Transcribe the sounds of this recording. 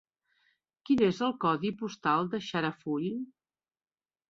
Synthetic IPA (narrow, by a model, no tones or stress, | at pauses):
kinezəlˠkɔðipust̪alˠd̪əʃaɾəfuʎ